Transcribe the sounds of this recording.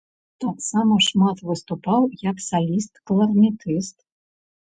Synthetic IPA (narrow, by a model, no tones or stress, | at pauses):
t̪aksamɐʂmat̪vɨst̪upawjɐksalʲist̪klˠɐrmʲit̪ɨst̪